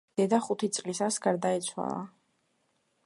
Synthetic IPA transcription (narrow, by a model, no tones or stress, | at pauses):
d̪ɛd̪aχut̪ʰit̪sʼlisasɡaɾd̪aɛt̪sʰwa̰lˠa̰